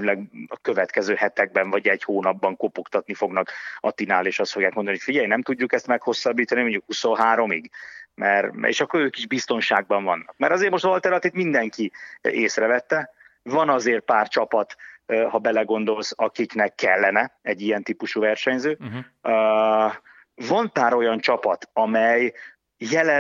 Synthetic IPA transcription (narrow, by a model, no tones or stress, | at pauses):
lɛɡɒkø̞vɛt̪kɛzøːhɛt̪ɛɡ̚bɛɱvɒɟɛɟhoːnɒbːɒŋkopokt̪ɒt̪nifo̞ɡnɒkɒt̪inaːleːʃɒst̪foɡjaːkmond̪niocfiɟɛjnɛmt̪uɟːukɛst̪mɛkho̞sːɒbːiːt̪ɒnimoɲɟukhuso̞nɦaːɾo̞miɡmɛrḛːʃɒkːoɾøːkiʒbist̪o̞nʃaːɡ̚bɒɱvɒnːɒkmɛɾɒzeːɾmo̞ʃt̪ɒlt̪ɛrnɒt̪iːft̪mind̪ɛŋkieːsrɛvɛt̪ːɛ | vɒnɒzeːrt̪̚paːrt͡ʃɒpɒt̪hɒbɛlɛɡo̞n̪d̪o̞lsɒkiknɛkːɛlːɛnɛɛɟːijɛnt̪ipuʃuvɛrʃɛɲzøː | vɒnpaːɾo̞jɒnt͡ʃɒpɒt̪ɒmɛj | jɛlɛ